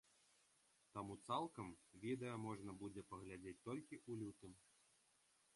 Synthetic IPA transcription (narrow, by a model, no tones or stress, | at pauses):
t̪amut̪salˠkɐmvʲid̪ɛjɐmɔʐnɐbud͡zʲɛpɐɣlʲad͡zʲet͡sʲt̪ɔlʲkʲiʔulʲut̪ɨm